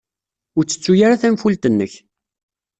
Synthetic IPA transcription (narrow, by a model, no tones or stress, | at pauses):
ʊɾt͡sːə̥t͡sːujaɾaθæmfult̪ənːəç